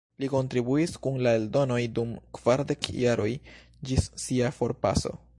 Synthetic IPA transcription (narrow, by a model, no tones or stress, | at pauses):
liko̞ntɾibuiskunlaeldo̞no̞jdumkv̥aɾde̞kjaɾo̞j | d͡ʒisːiafo̞ɾpa̰so̞̰